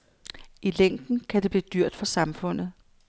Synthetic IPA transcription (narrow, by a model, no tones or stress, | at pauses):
ileŋ̰d̥n̩kʰæd̥e̝b̥liːd̥yɐ̰d̥fɒ̽sɑ̈mfɔ̽n̰ð̩ˠ